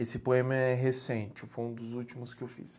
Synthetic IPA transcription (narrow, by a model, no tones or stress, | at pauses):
esɪpoẽmɐɛɦesẽnt͡ʃɪfojũd̪ʊzut͡ʃimʊskɪewfḭs